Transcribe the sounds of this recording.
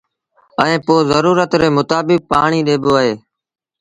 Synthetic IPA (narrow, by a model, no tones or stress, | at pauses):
əẽːpoːzəɾuːɾət̪ɾeːmʊt̪aːbɪk̚paːɳiːɗeːboːəɦeː